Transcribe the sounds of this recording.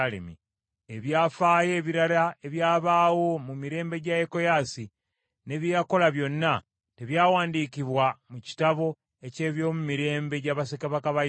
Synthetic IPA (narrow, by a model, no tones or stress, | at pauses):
lḛmḭ | e̞βjaːfaːje̞ːβiɾalae̞βjaːβaːwo̞mumiɾe̞ːmbe̞ɟajeko̞jaːsi | ne̞βjejako̞laβjo̞nːa | te̞βjaːwaːndiːkiβwamuci̥taβo̞ | e̞ce̞ːβjo̞ːmumiɾe̞ːmbe̞ɟaβasekaβakaβa